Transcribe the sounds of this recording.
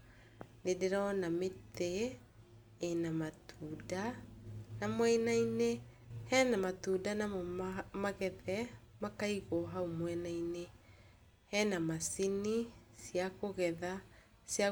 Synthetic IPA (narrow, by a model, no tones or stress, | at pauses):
dedeɾaɔnameteː | namatʰuda | namwɛinainehɛnamatuːdanamomaɣɛðɛ | makaiɣoɦaumwɛnaine | hɛnamasinisiakoɣɛða | sja